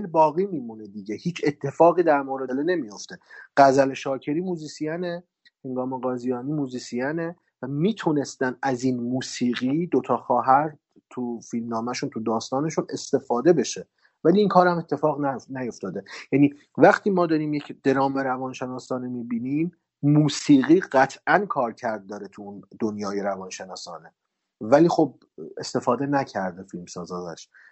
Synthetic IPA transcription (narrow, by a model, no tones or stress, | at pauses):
lbɒːɣiːmiːmuned̪iɟehiːt͡ʃʰe̞t̪ʰːe̞fɒːɣiːd̪æɾmoɾed̪elne̞mijo̞ft̪e̞ɢ̥æzæleʃɒːcʰe̞ɾiːmuːziːsijæne | heŋɡɒːmeɣɒːzijɒːniːmuːziːsijæne | væmiːt̪ʰune̞st̪ænd̪æzinmuːsiːɣid̪ot̪ʰɒːxɒːɦæɾ | t̪ʰufilmnɒːmæʃunt̪ʰud̪ɒːst̪ɒːne̞ʃune̞st̪e̞fɒːd̪e̞be̞ʃe | væliːŋkʰɒːɾhæme̞t̪ʰːe̞fɒːʁnænæjo̞ft̪ɒːd̪e̞jæːniː | væχt̪ʰiːmɒːd̪ɒːɾiːmje̞cʰd̪̥e̞ɾɒːmeɾævɒːnʃenɒːsɒːnemiːbiːnim | muːsiːɣiːɢæt̪ʰʔænkʰɒːɾcʰæɾd̪̚ːɒːɾet̪ʰuund̪onjɒːjeɾævɒːnʃe̞nɒːsɒːne | væliːxo̞b̚ | e̞̰st̪e̞fɒːd̪e̞næcʰæɾd̪efilmsɒːzɒːzæ̰ʃ